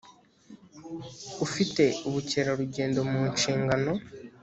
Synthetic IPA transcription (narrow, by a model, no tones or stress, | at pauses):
ufite̞uβuceɾaɾuɟe̞ːndo̞muːɲʃiːŋɡano̞